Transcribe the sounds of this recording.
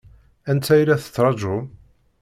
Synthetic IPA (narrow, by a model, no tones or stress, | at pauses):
ænt̪ːæjlæθə̥t͡sːɾˤɑd͡ʒʊm